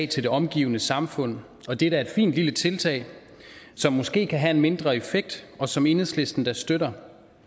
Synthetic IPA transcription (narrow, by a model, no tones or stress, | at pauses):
t͡sʰe̝ld̥e̝ɒ̽mɡ̥ḭːʊənəsɑ̈mfɔ̽n̰ | ɒ̽d̥eɾ̥æɐe̝d̥fḭːnd̥lilət͡sʰe̝lt͡sʰɛ̰ɪ | sɒ̽mːɔ̽sɡ̥e̝̰ːkʰæɦæe̝nme̝nd̥ʁɐe̝feɡ̥̚d̥ɒ̽sɒ̽me̝nhḛsle̝sd̥n̩d̥ɑ̈sd̥øɾɐ